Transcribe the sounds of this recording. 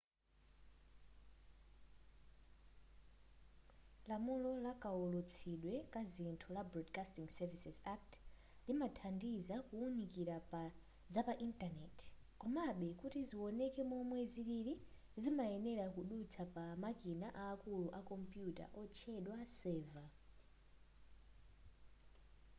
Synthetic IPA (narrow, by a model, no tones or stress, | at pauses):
lamulɔlakaɔlut͡sʰiɗwɛkazintʰulabrɔdkastiŋɡsɛvisɛsak̚t | limatʰandizakuːnikiɾapa | zapaʔintanɛt | kɔmaɓɛkutiziwɔnɛkɛmɔmwɛziβiɾi | zimaɛnɛɾakuɗut͡sʰapamakinaʔaːkuluʔakɔmpjuta̰ʔɔt͡ʃʰɛɗwasɛːva